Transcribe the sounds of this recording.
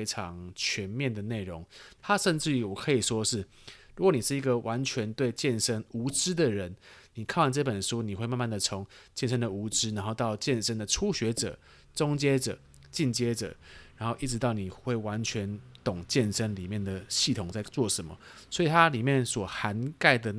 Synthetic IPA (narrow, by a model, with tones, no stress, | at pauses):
ɪʈ͡ʂʰɑ˧˦ŋt͡ɕʰɥɛ˧˥nmjɛ˥˨nd̪ə˩ne˥˩ɪɻʊ˧˦ŋt̪ʰa˥ʂə˥˧nʈ͡ʂɻ̩˥˩˨wɔ˨˩kʰɤ˧˥i˨˩ʂwɔ˦˥ʂɻ̩˥˩ | ɻɻu˧˥kwɔ˨˦ni˨˩ʂɻ̩˥˩i˧˥ɡə˨wʔa˧˦nt͡ɕʰɥɛ˧˥nt̪we˥˧ɪt͡ɕjɛ˥˨nʂə˥nu˧˥ʈ͡ʂɻ̩˥d̪ə˨ɻə˧˦nni˨˩kʰnwa˥˩nʈ͡ʂɤ˥˩pə˨˩nʂu˥ni˨˩we˥˧ɪma˥˧ma˥˩nd̪ə˨ʈ͡ʂʰo˧˦ŋt͡ɕjɛ˥˩nʂə˥ŋd̪ə˨u˧˥ʈ͡ʂɻ̩˥na˧˥nxo˥˧ʊt̪ɑ˥˧ʊt͡ɕjɛ˥˨nʂə˥ŋd̪ə˨ʈ͡ʂʰu˦ɕɥɛ˧˥ʈ͡ʂɤ̰˨˩˦ | ʈ͡ʂʊ˥ŋt͡ɕjɛ˥ʈ͡ʂɤ̰˨˩ | t͡ɕi˥˩nt͡ɕjɛ˥ʈ͡ʂɤ̰˨˩ɻa˧˥nxo˥˧ʊʔi˥˩ʈ͡ʂɻ̩˧˦t̪ɑ˥˩ʊni˨˩xwe˥˩ɪwa˧˦nt͡ɕʰɥɛ˧˦nt̪ʊ˨˩ŋt͡ɕjɛ˥˩nʂə˥nli˨˩mjɛ˥˨nd̪ə˩ɕi˥˩t̪ʰʊ˨˩ŋt͡sa˥˧ɪt͡swɔ˥˩ʂə˧˦mə̰˧swi˨t̪ʰa˦li˨˩mjɛ˥˨nswɔ˨˩xa˧˦˥nka˥˩ɪd̪ə˩